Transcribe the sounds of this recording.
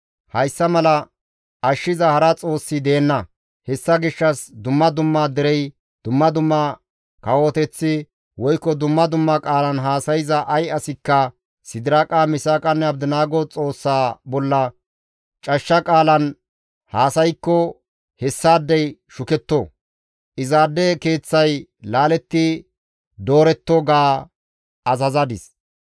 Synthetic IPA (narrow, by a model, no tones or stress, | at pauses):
hɐjsːɐmɐlɐ | ɐʃːɪzɐhɐɾɐt͡sʼo̞ːsːɪd̪eːnːɐ | hɛsːɐɡɪʃːɐsd̪ʊmːɐd̪ʊmːaːd̪ɪɾɛj | d̪̥ʊmːɐd̪ʊmːa | kɐwoːt̪ɛt͡sːɪ | wɔjkːɔd̪ʊmːɐd̪ʊmːɐkʼaːlɐnɦaːsɐjɪzɐʔɐjɐsɪkːɐ | sɪd̪ɪɾaːkʼaːmɪsaːkʼɐnːɛɐbd̪ɪnaːɡot͡sʼo̞ːsːaːbɔlːɐ | t͡ʃʼɐʃːɐkʼaːlɐn | haːsɐjkːɔ | hɛsːaːd̪ːɛjʃʊkɛt̪ːoː | ʔɪzaːd̪ɛke̞ːt͡sːɐjlaːlɛt̪ːɪ | d̪oːɾɛt̪ːoɡaː | ɐzɐzɐd̪ɪs